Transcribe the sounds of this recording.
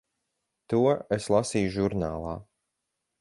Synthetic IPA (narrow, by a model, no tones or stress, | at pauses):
t̪uɔeslˠasiːjuʒuɾnaːlˠaː